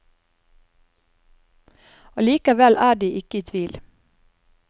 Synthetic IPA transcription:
oːliːkəʋɛlʔæːɖiːʔɪkəit̪ʰʋiːl

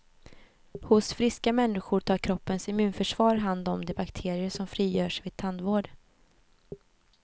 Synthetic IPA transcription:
hʊsfɾɪskamɛnːɪɧʊʈʰɑːɾkʰɾɔpːənsɛmʉ̟ːnfœʂv̥ɑːɾɦand̪ɔmd̪ɛbakt̪ʰeːɾɪəʂɔmfɾiːjœːʂvɪːd̪̚t̪ʰand̪voːɖ

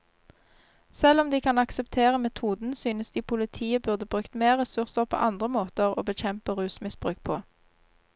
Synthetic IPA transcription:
sɛlɔmd̪iːkʰɑnɑksɛpt̪ʰeːʁəmɛt̪ʰuːd̪n̩syːnəsd̪iːpʰʊlɪt̪ʰiːəbʉʁd̪əbʁʉːkt̪meːʁɛsʉʁsəʁpʰo̰ːʔɑnd̪ʁəmoːt̪əʁo̰ːbəc͡çɛmpəʁʉːsmɪsb̥ʁʉːk̚pʰoː

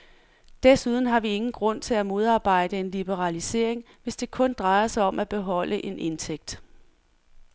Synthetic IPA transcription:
d̥esuð̞ˠn̩ɦɑ̈ʋie̝ŋn̩ɡ̥ʁɔ̽n̰t͡sʰe̝læmo̝ð̞ˠɑ̈ːb̥ɑ̈ɪ̰d̥əe̝nlib̥əʁɑlise̝ɐ̰eŋ | ʋe̝sd̥e̝kʰɔ̽nd̥ʁɑ̈ɪɐsɑ̈ɪɒ̽mʔæb̥e̝ɦɒ̽l̰ʔəʔe̝nʔe̝nt͡sʰeɡ̥̚d̥

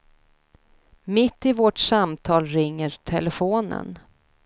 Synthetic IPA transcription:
mɪt̪ːɪvɔʈsamt̪ʰɑːlɾɪŋːəɾʈʰɛ̰ləfoːnə̰n

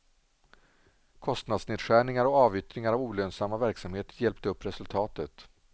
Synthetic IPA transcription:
kʰɔst̪nad̪sneːd̪ɧæːɳɪŋaɾɔɑːvʏt̪ɾɪŋaɾavuːløːnsamːavæɾksamheːt̪əɾjɛlpt̪əɵpːɾɛsɵlt̪ʰɑːt̪ət̪

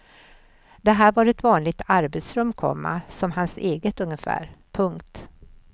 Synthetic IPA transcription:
d̪̥ɛɦæːɾvaɾɛt̪vɑːnlɪɡ̚t̪ʰaɾbɛt̪sɾɵmːkʰɔ̰mːa̰sɔmɦanseːɡət̪ɵŋːəfæ̰ːɾpʰɵŋkt̪

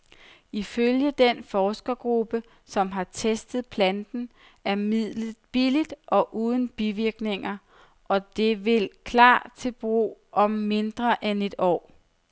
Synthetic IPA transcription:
iføljəd̥enfɒːsɡ̥ɐɡ̥ʁub̥ə | sɒ̽mɦɑ̈t͡sʰesd̥ð̞̩ˠpʰlænd̥n̩ | æɐmið̰ˠlə̥b̥ilid̥ʔɒ̽ʔuːð̞ˠn̩b̥iʋiɐɡ̥ne̝ŋɐ | ʔɒ̽d̥e̝ʋe̝lkʰlɑ̰̈ːt͡sʰe̝lb̥ʁṵːʔɒ̽mːe̝nd̥ʁɐʔene̝d̥ɒ̰ː

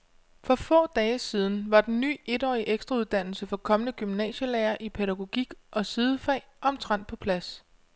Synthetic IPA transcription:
fɒ̽fɔ̰̽ːd̥ɛːəsiːð̞ˠn̩ʋɑ̈d̥en̩nːy̰ːe̝dɒ̰ːiʔeɡ̥sd̥ʁɑuðˠd̥æn̰l̩səfɒ̽kʰɒ̽mənəɡ̥ymnɛ̰ːɕəlæːɐʔipʰeɾæɡ̥o̝ɡ̥iɡ̥ʔɒ̽sið̞ˠəfɛ̰ːɒ̽mt͡sʰʁɑn̰d̥̚pʰɒ̽pʰlæs

